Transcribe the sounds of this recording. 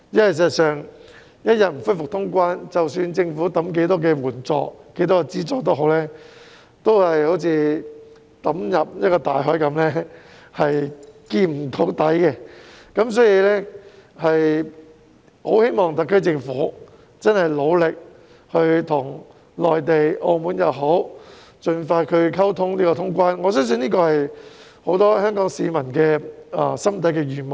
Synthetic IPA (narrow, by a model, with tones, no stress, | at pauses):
jɐ˥ɐ˨js̬ɛː˨˩t̚sœː˨˩ŋ | jɐ˥t̚jɐ˨t̚m̩˨˩fʊ˥jfʊ˨k̚t̪ʰʊ˥ŋkʷwaː˥nt͡sɐ˨wsyː˧nt͡sɪ˧ŋfuː˨˥t̪ɐ˨˥mk̬e˨˥jt̪ɔː˥kɛː˧wuː˨˩nt͡sɔ̰ː˨˧k̚ke˨˥jt̪ɔː˥kɛ˧t͡siː˥t͡sɔː˨˥kt̪o˥wɦo˨˥wlɛː˥ | t̪o˥whɐ˨jho˨˥wt͡sʰiː˨˧ | t̪ɐ˨˥mjɐ˨p̚jɐ˥t̚kɔː˧t̪aː˨jɦɔː˨˥jkɐ˨˥mlɛː˥ | hɐ˨jkiː˧m̩˨˩t̪ʰo˨˥wt̪ɐ˨˥jkɛ˧kɐ˨˥ms̬ɔː˨˥jiː˧lɛː˥hɐ˨j | ho˨˥whe˥jmɔː˨˩ŋt̪ɐ˨kʰːɵ˥t͡sɪ˧ŋfuː˨˥ | t͡sɐ˥nhɐ˨˩jlo˨˧wlɪ˨k̚ | hɵ˧ɥt̪ʰʊ˨˩ŋ | lɔː˨jt̪e˨jʔo˧muː˨˥njɐ˨˧wɦo˨˥w | t͡ʃɵ˨nfaː˧t̚kʰɵ˨˧ɥkʰɐ˥wt̪ʰʊ˥ŋliː˥kɔː˧ʊ˥ŋkʷwaː˥nŋɔː˨˧sœ˥ns̬ɵ˧niː˥kɔː˧hɐ˨j | ho˨˥wt̪ɔː˥hœː˥ŋkɔː˨˥ŋsiː˧mɐ˨˩nkɛː˧ɐ̰˧sɐ˥mt̪ʰɐ˨˥jkɛː˧jyː˨˩m˨